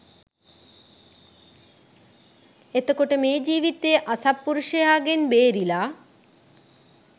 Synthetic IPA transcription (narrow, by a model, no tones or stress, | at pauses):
et̪əkoʈəmeːd͡ʒiːʋit̪eʔasapːuɾuʂəjaːɡenbeːɾilaː